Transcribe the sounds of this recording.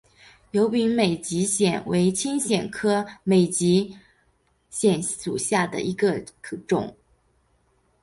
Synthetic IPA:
jo˧˥ʊpi˧˥ŋme˨˩ɪt͡ɕi˧˥ɕjɛ˨˩nwe˧˥ɪt͡ɕʰi˥ŋɕjɛ˨˩nkʰɤ˥me˨˩ɪt͡ɕi˧˥ | ɕjɛ˨˩nʂu˨˩ɕja˥˩d̪ə̰˩ʔi˧˥ɡə˧kʰɤ˨˩ʈ͡ʂʊ̰˨˩˦ŋ

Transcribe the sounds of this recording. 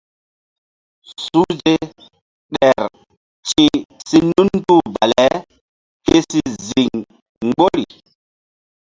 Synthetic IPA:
su˦d͡ʒe˦ | ɗɛ˨ɾ | t͡ʃĩ˦si˦nu˦n˦tu˦˨ba̰˨lɛ˨˦ | ke˦si˦zi˨ŋ | ŋ˦ɡ͡bo˦ɾi˨

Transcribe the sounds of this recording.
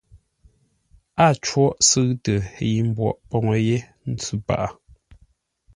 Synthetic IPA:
a˦˨t͡ʃwɔ˦ʔsɨ˦ɣtə˨ji˨m̩˦bwɔ̰˨ʔpɔ˨ŋə˨je˦ | n̩˦t͡sʉ˦pa̰˨ʔa˨

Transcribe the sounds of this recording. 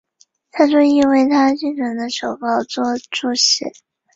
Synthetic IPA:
t̪ʰa˥ʂɔ˥i˥nwe˥˩ɪt̪ʰa˥t͡ɕy˥˩ŋʈ͡ʂə˧˥ŋd̪ə˧ʂo˨˩ʊpɑ˥˧ʊt͡swɔ˥˧ʈ͡ʂu˥˩ɕɛ̰˨˩˦

